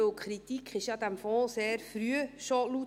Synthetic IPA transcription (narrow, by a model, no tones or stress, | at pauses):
ʊkχɾit̪ikχɪʃjɑd̪æmfɔseːɾfɾyəʃolu